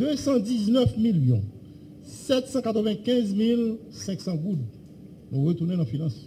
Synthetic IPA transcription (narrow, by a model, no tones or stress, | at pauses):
d̪øsɑ̃d͡ziznœfmiljɔ̰̃ | sɛt̪sɑ̃kat̪ʁəvɛ̃kɛ̃zmil | sɛ̃ksɑ̃ɡud̪ | nũʁət̪unɛ̃nãfinɑ̃s